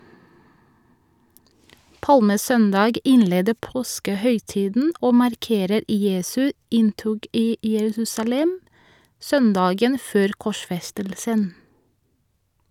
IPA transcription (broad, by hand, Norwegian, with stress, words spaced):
ˈpɑlməˌsœndɑɡ ˈɪnˌleːdə ˈpoːskəˌhœʏˌtiːdn̩ ˈoː mɑɾˈkeːɾəɾ ˈjeːsʉ ˈɪnˌtʊɡ ˈiː jəˈɹʉːsɑˌlɛm ˈsœnˌdɑːɡən ˈføːɾ kɔˈʃfɛstəlsən